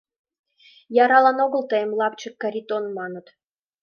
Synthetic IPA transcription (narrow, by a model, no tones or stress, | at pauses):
jɑɾɑlɑnoɣə̆lt̪əjəmlɑpt͡ɕə̆kːɑɾʲit̪onmɑnə̆t̪